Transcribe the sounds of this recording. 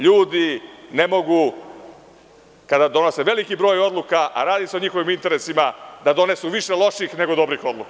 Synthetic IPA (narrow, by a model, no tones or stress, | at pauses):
ʎuːd̪ine̞mo̞ɡu | kad̪ad̪o̞no̞se̞ʋe̞likibɾo̞ːjo̞d̪lˠukaʔa̰ɾaːd̪iseo̞ɲixo̞ʋimint̪e̞ɾe̞simad̪ad̪o̞ne̞suʋiʃe̞lo̞ʃixne̞ɡo̞d̪o̞bɾixo̞d̪lˠuka